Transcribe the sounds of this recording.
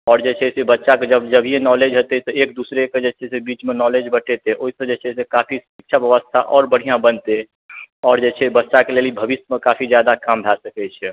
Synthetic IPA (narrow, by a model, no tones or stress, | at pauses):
ɔːɾd͡ʒet͡ʃʰɛsebətːʃaked͡ʒəbd͡ʒəbʱijenɔled͡ʒɦot̪ɛt̪ɔek̚d̪usɾeked͡ʒet͡ʃʰɛsebit͡ʃmenɔled͡ʒbəʈʰet̪eʔoɦisə̃d͡ʒet͡ʃʰɛsekapʰisik̚t͡ʃʰabjəʋəst̪ʰa̰ʔɔːɾbəɽ̤ijãbənt̪e | ɔːɾd͡ʒet͡ʃʰɛbətːʃakelelibʱəbisjmẽkapʰid͡ʒjad̪akamɖʱasəkɛt͡ʃʰɛ